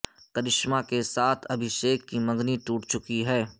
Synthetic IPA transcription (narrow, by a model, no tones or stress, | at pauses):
kəɾɪʃmakesaːt̪ʰɐbʱɪʃeːkːimɐ̃ŋɡnit̪uːʈt͡ʃʊkiɦɛː